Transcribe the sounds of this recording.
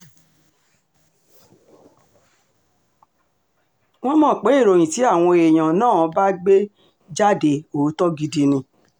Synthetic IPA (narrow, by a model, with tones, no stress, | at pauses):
w̃ɔ̃˦mɔ̃ː˦˨k͡pe˨˦i˦˨ɾo˧j̃ĩ˨ti˨˦a˦˨w̃ɔ̃˧e˨j̃ã˨nãː˦˨˧ba˦ɡ͡be˦ | d͡ʒa˦de˨o˨˦tɔ˦ɡi˧di˧nĩ˧